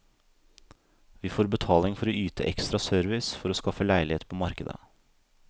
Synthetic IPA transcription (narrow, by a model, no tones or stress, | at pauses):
ʋiːfoːɾbət̪ʰɑːlɪŋfɔɾoyːt̪əʔɛkst̪ɾɑsœːɾʋɪsfɔɾoːskɑfəlæɪlɪheːt̪̚pʰoːmɑɾkəd̪ə̰